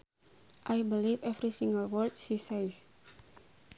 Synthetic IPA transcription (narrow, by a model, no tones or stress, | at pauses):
ʔajbilivɛvɾisĩŋɡəlwəlt̪̚sisajs